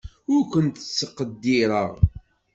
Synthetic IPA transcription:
ʊɾkʷənt̪ət͡sːəqəd̪ːiɾˤəʁ

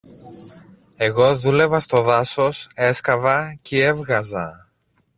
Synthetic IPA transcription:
e̞ɣo̞ðule̞vɐst̪o̞ðɐso̞se̞skɐvɐcie̞vɣɐzɐ

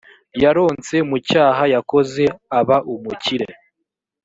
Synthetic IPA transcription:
jaɾo̞ːnt͡se̞mucaːɦajako̞ze̞aβaʔumuciɾe

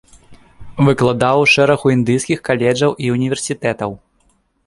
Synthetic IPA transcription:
vɨklˠad̪awʂɛɾɐxuind̪ɨjskʲixkalʲɛd͡ʐɐwʔiunʲivʲɛrsʲit̪ɛt̪ɐw

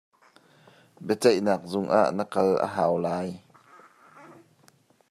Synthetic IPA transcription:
bɛt͡sɛjnaːk̚zʊŋʔa̰ːʔnəkɐlʔə̰ɦaːwlaːj

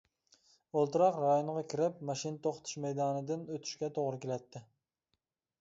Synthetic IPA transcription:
olˠt̪ɨɾɑqɾɑjoɴʁɑkʲʰɪɾɪpmɑʃint̪ʰoχt̪ʰʊ̥ʃmɛjd̪ɑnɨd̪ɪnøt̪ʰɪ̥ʃkʲɛt̪ʰoʁɾɪkʲelæt̪ʰːɪ

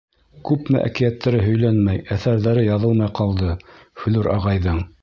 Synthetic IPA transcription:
kʉpmɘ̰ʔæ̰kɘ̆jæt̪ːæɾɘɦɵ̆jlænmæjæθæɾðæɾɘjɑðɤlˠmɑjqʰɑlˠd̪ɤhɵ̆lɵɾʔɑʁɑjðɤɴ

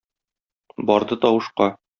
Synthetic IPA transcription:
bɒɾd̪ɤt̪ɒwɤ̆ʃqɑ

